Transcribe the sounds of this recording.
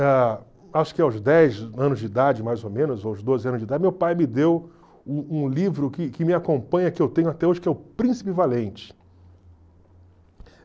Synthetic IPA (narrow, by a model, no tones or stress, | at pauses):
ɛ | aʃʊ̥kɪawzd̪ɛjzɐ̃nʊzd͡ʒɪid̪ad͡ʒɪmajzomẽnʊzowzd̪ozɪɐ̃nʊzd͡ʒɪid̪ad͡ʒɪmewpajmɪd̪ew | ũũlivɾʊkɪkɪmɪakõpɐ̃ɲɐkɪewt̪ẽɲʊat̪ɛoʒɪkɛʊpɾĩsi̥pɪvalẽnt͡ʃɪ̥